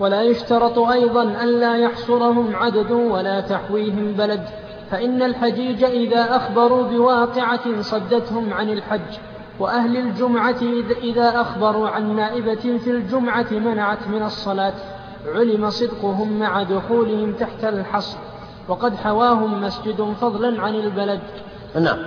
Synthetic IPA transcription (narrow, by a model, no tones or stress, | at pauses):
walaːjʊʃt̪ɑɾˤɑt̪ˤʔɑjðˤɑnʔanlaːjɑħsˤʊɾɑɦʊmʕad̪ad̪walaːt̪aħwiːɦɪmbalad̪ | faʔɪnːalħad͡ʒiːd͡ʒaʔɪðaːʔaxbɑɾˤuːbɪwɑːqɪʕasˤɑd̪ːat̪hʊmʕanɪlħad͡ʒː | waʔahlald͡ʒʊmʕatʔɪðaːʔaxbɑɾˤuːʕanːaːʔɪbafild͡ʒʊmʕat̪manaʕat̪mɪnɑsˤːɑlaːt̪ | ʕʊlɪmasˤɨd̪qʊɦʊmːaʕad̪ʊxuːlɪhɪmt̪aħt̪alħɑsˤɾ | wɑqɑd̪ħawaːɦʊmːasd͡ʒɪd̪fɑðˤlanʕanɪlbalad̪ | na̰ʕm